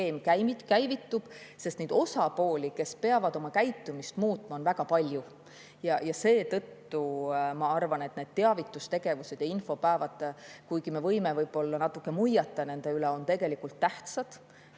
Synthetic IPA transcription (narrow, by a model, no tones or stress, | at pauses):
eːmkæjmit̪kæjvit̪ːub̥sest̪nejd̪o̞sɑpo̞ːlʲike̞spe̞ɑvɑd̪o̞mɑkæjt̪ːˑumist̪muːt̪ˑmɑo̞nvæɡ̥ɑpɑlʲju | jɑjɑse̞ːt̪ɤ̞t̪ːumɑɑrvɑne̞t̪ne̞d̪̥t̪eɑvit̪ːˑust̪e̞ɡ̥e̞vuse̞d̥̪jɑinfo̞pæːvɑt̪kujɡime̞vɤ̞jmevɤjb̥o̞lːɑnɑt̪ːˑukːe̞mujɑt̪ːˑɑne̞nd̪̥e̞yleo̞nt̪e̞ɡe̞likult̪ːæht̪sɑd̪̥